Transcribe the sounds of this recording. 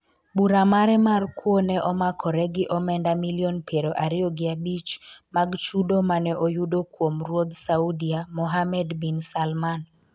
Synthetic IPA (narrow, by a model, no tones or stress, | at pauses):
buɾamaɾɛmarkwonɛʔɔmakʰɔɾɛɡɪʔɔmɛndamiljɔnpʰeɾoʔaɾɪoɡɪabit͡ʃmaɡt͡ʃudomanɛʔojudokwomrwod̪saudiamɔɦamɛdbinsalman